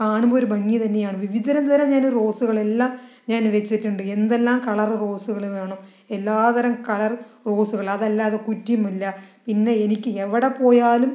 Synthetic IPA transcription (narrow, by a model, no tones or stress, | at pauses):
kaːɳumboːoɾubɐŋːit̪ɐnːe̞jaːɳɨʋiʋid̪ʱɐɾɐnd̪ɐɾɐmɲaːnro̞ːsuɣɐɭe̞lːaːm | ɲaːnʋet͡ɕːitːuɳɖɨe̞nd̪elːaːmkɐɭɐrro̞ːsuɣɐɭiʋeːɳo | elːaːt̪ɐɾɐmkɐɭɐrro̞ːsuɣɐɭɐðɐlːaːðekutːumːilːɐpinːe̞enikʲːɨeʋiɽepo̞ːjaːlum